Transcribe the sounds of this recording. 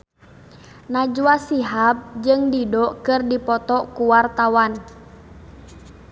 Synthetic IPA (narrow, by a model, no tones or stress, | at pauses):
nad͡ʒuasiɦap̚d͡ʒɨŋdidɔkɨrdipɔt̪ɔkuwart̪awan